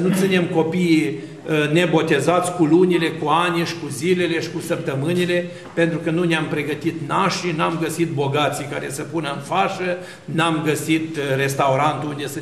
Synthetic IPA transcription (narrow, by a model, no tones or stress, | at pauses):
nut̪sine̞mko̞pij | əne̞bo̞t̪e̞zat̪sʲkulunile̞kuaniʃi̥kuzile̞le̞ʃi̥kusəp̚t̪əmɨnile̞ | pe̞nt̪ɾukənuneampɾe̞ɡət̪it̪naʃinamɡəsit̪̚bo̞ɡat̪sika̰ɾe̞̰səpunəɨnfaʃə | namɡəsit̪re̞st̪auɾant̪uund̪es